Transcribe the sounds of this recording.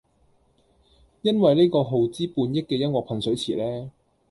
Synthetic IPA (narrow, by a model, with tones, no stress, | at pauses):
jɐ˥nwɐ˨jle˥jkɔː˧ɦo˨˩wt͡siː˥puː˧njɪ˥kːɛː˧jɐ˥nwɔː˨k̚pʰɐ˨nsɵ˨˥ɥt͡sʰiː˨˩lɛː˥